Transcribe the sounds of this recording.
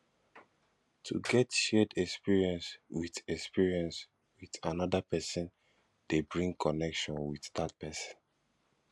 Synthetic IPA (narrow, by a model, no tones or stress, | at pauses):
tʰuɡɛtʃɛdɛkspiɹiɛ̃nswiðɛkspiɹiɛ̃ns | wiθanɔdapɛsɔ̃n | d̥ebɹĩŋkʰɔnɛkʃɔ̃nwiθdat̚pɛsə̥̃n